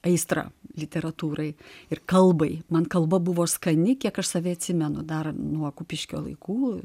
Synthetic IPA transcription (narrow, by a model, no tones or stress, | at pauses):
ɐɪst̪ɾɐ̰ːlʲɪt̪ʲɛɾɐt̪uːɾɐɪɪrkɐlˠbɐɪmɐnkɐlˠbɐbʊʋoːskɐnʲɪkʲiɛkɐʃsɐːʋʲɪɐt̪ʲsʲɪmʲɛnʊd̪ɐrnuɔkʊpʲɪʃʲkʲo̰ːlˠɐ̰ɪkuː